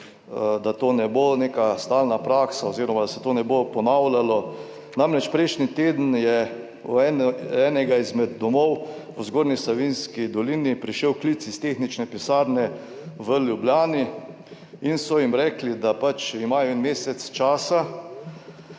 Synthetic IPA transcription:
d̪at̪oːnɛbonekast̪aːlnapɾaːksaoziɾɔmad̪asɛ̥t̪oːnɛbopɔnawlalɔ | namɾɛt͡ʃpɾɛʃnit̪eːd̪ən̩jɛ̰ | ɛɛːnɛɡaizmɛd̪ːɔmɔw | əzɡoːɾnisaʋinskid̪ɔlinipɾiʃɛwklit̪sist̪exnit͡ʃnɛpisaːɾnɛ | ʋəljubljaːni | insɔjimɾɛklid̪apat͡ʃimaːjɔɛnmeːsɛt̪st͡ʃaːsa

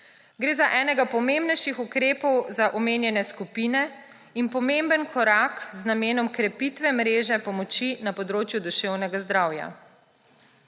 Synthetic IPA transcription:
ɡɾeːzaʔɛːnɛɡapɔmembnɛjʃixukɾeːpɔwzaʔɔmeːnjɛnɛskupinɛ | inpɔmembənkɔɾakznameːnɔmkɾɛpit̪ʋɛmɾeːʒɛpɔmɔt͡ʃinapɔd̪ɾoːt͡ʃjud̪uʃewnɛɡazd̪ɾawja̰

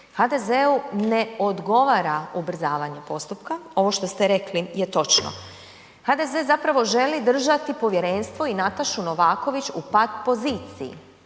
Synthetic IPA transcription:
xad̪e̞zeune̞o̞d̪ɡo̞ʋaːɾaubr̩zaːʋaɲepo̞st̪upkao̞ʋo̞ʃt̪o̞st̪eɾe̞klijet̪o̞t͡ʃno̰ | had̪ezezapɾaʋo̞ʒe̞lid̪r̩ʒat̪ipo̞ʋje̞ɾe̞nst̪ʋo̞inat̪aʃuno̞ʋaːko̞ʋit͡ʃupat̪po̞ziːt̪sḭjḭ

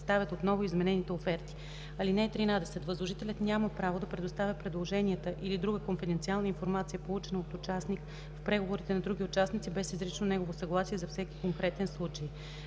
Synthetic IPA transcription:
st̪avʲət̪ot̪nɔvoizmɛnɛnit̪ɛofɛɾt̪i̥ | ɐlinɛt̪ɾinad̪ɛsɛt̪vəzlˠoʒit̪ɛlʲət̪nʲaməpɾavod̪ɐpɾɛd̪ost̪avʲəpɾɛd̪lˠoʒɛniət̪əʔilid̪ɾuɡəkonfɛd̪ɛnt̪sialˠnəinfoɾmat̪sijəpolˠut͡ʃɛnəot̪ʊt͡ʃasnik | fpɾɛɡovoɾit̪ɛnɐd̪ɾuɡʲiʊt͡ʃasnit̪sibɛsizɾit͡ʃnonɛɡovosɐɡlˠasiɛzɐfsɛki̥koŋkɾɛt̪ɛnslˠut͡ʃəj

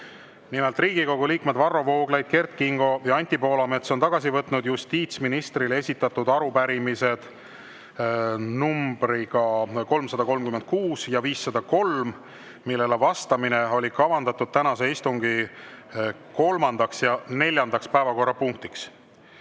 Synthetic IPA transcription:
nimelt̪riːɡiko̞ɡuliːkme̞d̪̥vɑrːo̞vo̞ːɡ̥lejd̪̥̚ke̞rt̪̚kiŋɡ̥o̞jɑɑnʲt̪ʲipo̞ːlɑme̞t̪so̞nt̪ɑɡ̥ɑsivɤt̪ˑnud̪just̪iːt̪sminist̪rile̞sʲit̪ːˑɑt̪ːud̪ɑɾupæɾimise̞d̪̥ | numb̥ɾiɡ̥ɑko̞lmsɑd̪̥ɑko̞lmkyme̞nd̪̥̚kuːsjɑviːsːɑd̪ɑko̞lm | milːe̞levɑst̪ɑmineo̞lʲikɑvɑnd̪ɑt̪ːˑud̪̥̚t̪ænɑse̞ist̪uŋɡi | ko̞lmɑnd̪ɑksjɑne̞lʲjɑnd̪ɑkspæevɑko̞rːɑpuŋk̚t̪iks

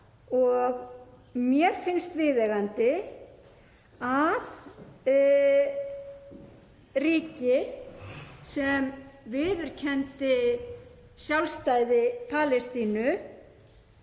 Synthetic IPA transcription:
ɔɣ | mjɛɾ̥fɪnst̪vɪːðɛɣant̪ɪ | að | riːcɪ | sɛmvɪːðʏɾ̥cʰɛnt̪ɪ | sjawlst̪aːjðɪpʰaːlɛst̪iːnʏ

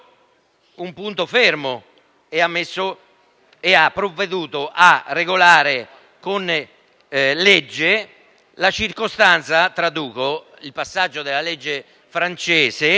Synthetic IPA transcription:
umpunt̪ofermo | eamːesːo | eapːɾovːed̪uːt̪ʊʔarːeɡolaːɾe | kon | led͡ʒːe | lat͡ʃirkost̪ant̪sat̪ɾad̪uːko | ilpasːad͡ʒːod̪ɪlːaled͡ʒːe | fɾant͡ʃeːse

